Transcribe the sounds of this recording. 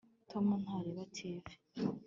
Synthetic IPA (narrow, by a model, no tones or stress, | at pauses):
tʰomunhaɾeβatʰeve̥